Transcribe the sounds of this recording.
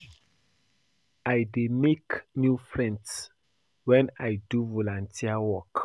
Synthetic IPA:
ajdemeknjufɹɛ̃nds | wɛ̃najduvɔlãntʰiawɔk

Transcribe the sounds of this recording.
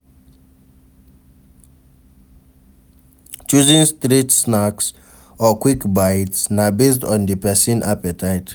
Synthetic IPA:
t͡ʃuzĩnstɹitsnaks | ɔkwikbaɪtsnabestɔ̃ndipɛsĩnʔa̰pɛtʰaɪt

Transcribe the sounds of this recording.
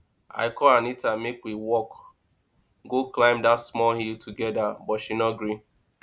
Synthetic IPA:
a̰ɪkɔanitamekwiwɔk | ɡoklãɪ̃mdatsmɔlhiltʰuɡɛdabɔtʃinɔɡɾi

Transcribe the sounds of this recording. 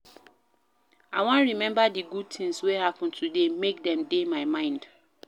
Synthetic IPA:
awɔ̃nɹimɛ̃mbadiɡud̚tʰĩŋswehapʊ̃n̩tʰudemek̚dɛ̃mdemaɪmãɪ̃nd̥

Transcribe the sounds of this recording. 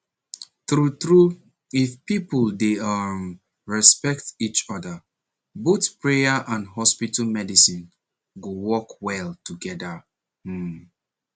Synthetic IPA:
tɹutɹu | ifpipəldeʌm | ɹɛspɛktit͡ʃɔdə | botpɹejaʔãndɦɔspitalmɛdisĩn | ɡowɔkwɛltuɡɛdə

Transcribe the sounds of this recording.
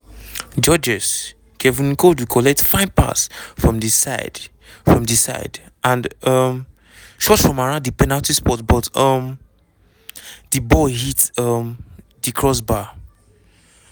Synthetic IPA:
d͡ʒɔd͡ʒɛs | kʰɛvĩnkodwikʰɔlɛk̚tfãɪ̃npʰa̰sfɹɔ̃mdisaɪd | fɹɔ̃mdisa̰ɪdʔãndʌm | ʃɔtfɹɔ̃maɹãʊ̃ndðəpɛnalˠtispɔtbɔtʌm | ðəbɔɦitʌm | ðikʰɹɔs̬ba

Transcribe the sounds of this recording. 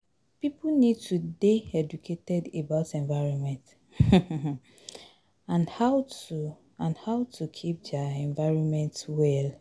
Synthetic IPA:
pipunid̚tʰudeɛd͡ʒukʰetɛdebaʊtɛ̃nvaɪɹɔ̃nmɛ̃nt | ãnhatu | ãnhaʊtʰukʰip̚daɛ̃nvaɪɹɔ̃nmɛ̃ntwɛl

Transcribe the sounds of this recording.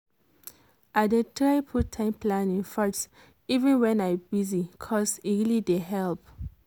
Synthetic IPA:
adetʰɹapʰutʰːãɪmpʰlãnĩŋfas | ivɛ̃nwɛ̃najbizikʰɔsiɹilideɦɛlp

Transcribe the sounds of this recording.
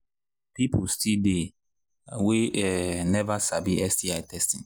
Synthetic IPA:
pipʰostʰide | weɛnɛvasabiɛsdiaɪtʰɛstĩn

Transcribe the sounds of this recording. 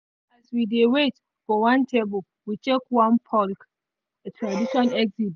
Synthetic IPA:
aswidewet | fɔwãntʰebəl | wit͡ʃekwãnpʰɔlk | etʰɹadiʃɔ̃nɛɡzid

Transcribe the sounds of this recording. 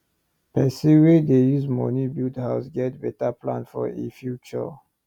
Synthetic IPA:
pɛsiwedejuzmɔ̰nibidhaʊsɡɛt̚bɛtapʰlã̰nfɔ̰ḛfjut͡ʃə̰

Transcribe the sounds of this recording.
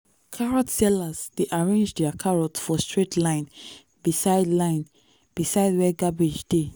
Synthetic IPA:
kʰaɹɔtsɛlazd̥eʔaɹẽnd͡ʒdɛakʰaɹɔtfɔstɹetʰlãɪ̃n | bisaɪdlãɪ̃n | b̥isaɪdwɛɡabid͡ʒde

